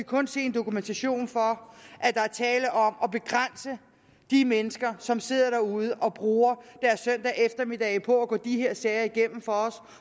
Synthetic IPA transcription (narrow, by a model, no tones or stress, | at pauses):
ikʰɔ̽nse̝̰ːend̥o̝kument͡sʰæɕo̝̰ːnfɒ̽ʔæd̥ɑ̈æɐt͡sʰɛːləʔɒ̽mɒ̽b̥e̝ɡ̥ʁan̰sə | d̥imenəsɡ̥ɐsɒ̽mse̝ð̞̰ˠɐɾ̥ɑɐuð̞ˠəʔɒ̽b̥ʁuːɐd̥æɐsːœn̰d̥ɛʔefd̥ɐmi̝d̥ɛɪpʰɒ̽æɡ̥ɔ̰ːd̥ihe̝ɐ̰sɛːɪɐiɡ̥en̰m̩fɒ̽ɒ̽s